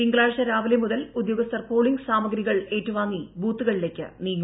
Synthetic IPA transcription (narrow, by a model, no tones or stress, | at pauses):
iŋɡɭaːɻʂɐɾaːʋilemuðɐlud̪joːɡɐst̪ɐrpoːɭiŋɡsaːmɐɡɾiɣɐɭe̞ːtːuʋaːŋːibuːt̪ːuɣɐɭile̞kʲːɨ̰niːŋ